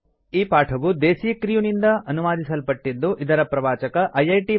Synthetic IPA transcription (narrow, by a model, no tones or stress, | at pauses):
iːpaːʈʰɐʋud̪eːsijɐkɾijunind̪ɐɐnuʋaːd̪isɐlpɐʈːid̪ːuʔid̪ɐɾɐpɾɐʋaːt͡ʃɐkɐʔɐjɐjʈi